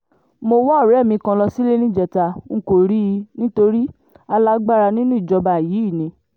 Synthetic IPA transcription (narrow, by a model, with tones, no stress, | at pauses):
mo˧wɔ˦˨ɾɛ˨˦˨mĩ˧kã˧lɔ˧si˦le˦nĩ˦d͡ʒɛ˨ta˧ŋ̩˦ko˦˨ɾi˦˧nĩ˦to˧ɾi˦ | a˧la˦ɡ͡ba˦ɾa˧nĩ˦nũ˦i˦˨d͡ʒɔ˧ba˨jiː˨˦i˦˨nĩ˧